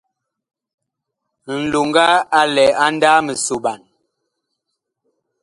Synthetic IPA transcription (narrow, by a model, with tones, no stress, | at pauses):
n̩˨lo˨ŋɡa˦a˦lɛ˨a˦n˦da˦mə˨so˨ɓa˨n